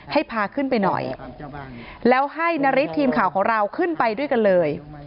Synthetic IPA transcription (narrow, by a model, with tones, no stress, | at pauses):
ha˥˩jpʰaː˧kʰɯ˥˩npa˧jnɔ̰˨˩j | lɛː˦˥wɦa˥˩jna˦˥ɾi˦˥t̪ʰːiː˧mkʰaː˨˩wkʰɔː˩˦ŋɾa˧wkʰɯ˥˩npa˧jdu˥˩əjka˧nlɤː˧j